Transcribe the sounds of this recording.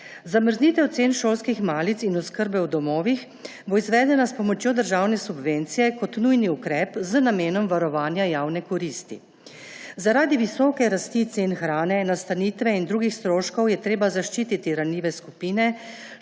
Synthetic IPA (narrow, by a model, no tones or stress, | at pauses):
zaməɾzniːt̪ɛwt̪seːnʃoːlskixmaːlit̪sinɔskəɾbɛwd̪ɔmɔːʋix | boizʋɛːd̪ɛnaspɔmɔt͡ʃjoːd̪əɾʒaːwnɛsubʋent̪sijɛkɔt̪nujniukɾɛːpzənameːnɔmʋaɾɔʋaːnjajaːwnɛkɔɾiːst̪ḭ | zaɾaːd̪iʋisɔːkɛɾast̪it̪senxɾaːnɛnast̪aniːt̪ʋɛind̪ɾuːɡixst̪ɾoːʃkɔwjɛt̪ɾeːbazaʃt͡ʃiːt̪it̪iɾanliːʋɛskupiːnɛ